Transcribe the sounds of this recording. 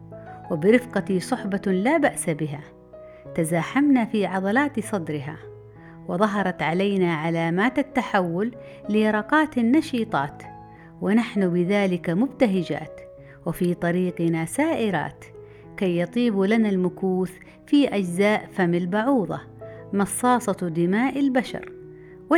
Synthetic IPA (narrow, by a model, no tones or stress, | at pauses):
wɪbɪɾɪfqɑt̪isˤʊħbɑlaːbaʔsabɪɦa | t̪azaːħamnafiːʕɑðˤɑlaːt̪sˤɑd̪ɾɪɦa̰ | wɪðˤɑɦɑɾˤɑt̪ʕalajnaʕalaːmaːt̪at̪ːaħawːʊlː | ɪjɑɾˤɑqɑːt̪anːɑʃiːt̪ˤɑ̰ːt̪ | wɪnaħnʊbɪðaːlɪkamʊbt̪aɦɪd͡ʒa̰ːt̪ | wɪfiːt̪ˤɑɾiːqɪnasaːʔɪɾa̰ːt̪ | kajːɑt̪ˤiːbulanalmʊkuːθ | fiːʔad͡ʒzaːʔfamalbʊʕuːðˤɑ̰ | mɑsˤːɑːsˤɑd̪ɪmaːʔɪlbaʃɑ̰ɾˤ | wɪ